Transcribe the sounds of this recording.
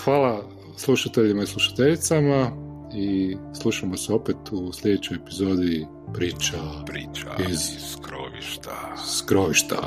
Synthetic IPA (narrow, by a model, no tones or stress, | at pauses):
xʋaːla | slˠuʃat̪eʎimaisluʃḁt̪eʎit̪sama | islˠuʃamoseo̞pet̪usʎʲe̞d̪et͡ɕojepizo̞d̪i | pɾiːt͡ʃapɾiːt͡ʃa̰izskɾo̰ʋḭʃt̪askɾoʋiʃt̪a̰